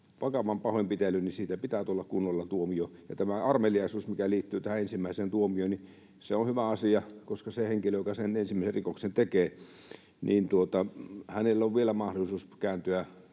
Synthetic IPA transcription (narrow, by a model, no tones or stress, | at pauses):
ʋɑkɑʋɑmpɑhoimpit̪elːynnisiːt̪æpit̪æːt̪uolːɑkkunːolːɑt̪uomiojɑ̰t̪æmæɑrmeliɑisuːsmikæliːt̪ːyːt̪æhæensimːæiseːnt̪uomioni | seonhyʋæɑsiɑkoskɑseheŋkiløjokɑsenensimːæˑiserikoksent̪ekeː | nʔiːnt̪uot̪ɑhænelːoʋʋielæmɑhdolːˑisuːskæːnt̪yæ